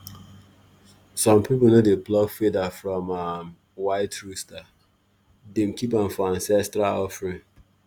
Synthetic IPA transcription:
sɔ̃mpʰip̬onodeblɔɡfidafɹɔ̃ma | waɪtʰɹusta | dem̩kʰipãnfɔãnsɛstɹaɔfɹĩŋ

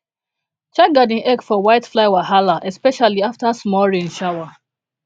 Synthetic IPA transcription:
t͡ʃaɡadĩŋʔɛkfɔwaɪtflaɪwaɦalaʔɛspɛʃaliaftasmɔɹĩnʃawa

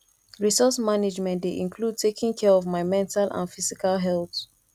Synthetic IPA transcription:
ɹisɔsmaned͡ʒmɛ̃ntdeʔĩnkʰlud̚tʰekʰĩŋkʰɛɹɔvmaɪmɛ̃ntʰalʔã̰nfisikalɦɛlθ

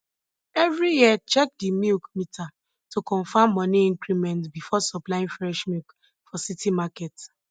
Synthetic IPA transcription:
ɛvɹijiɛt͡ʃɛk̚dimilkmitʰa | tokɔ̃nfãmːɔ̃niĩŋkɾimɛ̃ntbifɔsɔplaĩnfɾɛʃmik | fɔsitimakɛt

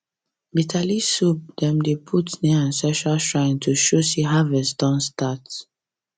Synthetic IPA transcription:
bitʰalisub̚dɛ̃mdepʰutniãnsɛʃaʃɹãɪ̃ntʰuʃoseɦavɛsdɔ̃nstat

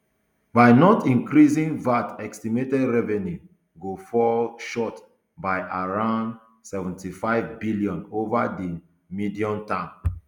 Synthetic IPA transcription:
baɪnɔtĩŋkɾizĩnvatɛkstimetɛdɹɛvɛnju | ɡofɔlʃɔt | baɪʔaɹãʊ̃nd | sɛvɛ̃ntifaɪvbiljɔ̃novadi | midiɔ̃ntãn

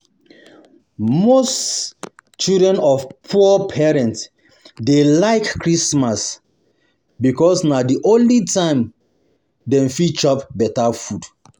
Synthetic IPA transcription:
mos | t͡ʃildɹɛ̃nɔfpʰupʰɛɹɛ̃nts | delaɪkːɹismas | bikɔsnadiʔõnlitʰãɪ̃m | dɛ̃mfit͡ʃɔpbɛtafud

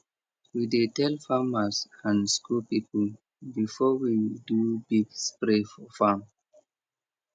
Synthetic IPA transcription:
widetɛlfamasãnskulpipəl | bifɔwidubiɡspɹefɔfam

